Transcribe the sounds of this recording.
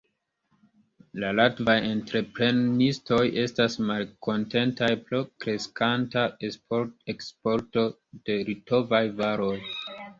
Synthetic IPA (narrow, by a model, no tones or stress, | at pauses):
lalatvaje̞ntɾe̞pɾe̞nisto̞jʔe̞stasmalkʰo̞nte̞ntajpɾokɾe̞skantaoekspo̞ɾto̞ | d̥e̞ɾito̞vajvaɾo̞j